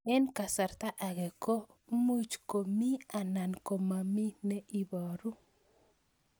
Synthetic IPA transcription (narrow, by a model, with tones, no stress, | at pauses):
ɛ˦nka˨sa˨rt̪a˦ʔa˨ɡɛ˨ko˦ | mu˦t͡ʃko˨mi˦a˨na˨nko˨ma˨mi˦nɛ˦i˨bɔ˨ɾu˦